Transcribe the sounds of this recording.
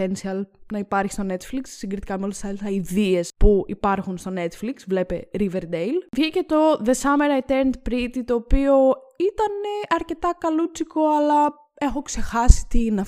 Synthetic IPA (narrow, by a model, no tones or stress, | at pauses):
ensiɐlnɐipɐɾçist̪o̞ne̞t̪fliksːiŋɡɾit̪i̥kɐmeolɐsɐsɐiðie̞spuḭpɐɾxunst̪o̞ne̞t̪fliksvle̞pe̞ɾiveɾd̪ejlvʝice̞t̪o̞ðe̞sɐmeɾɐjt̪eɾnd̪pɾit̪it̪o̞ːpio̞it̪ɐne̞ʔɐɾce̞t̪ɐkɐlut͡siko̞ɐlɐ | e̞xokse̞xɐsi̥t̪inɐ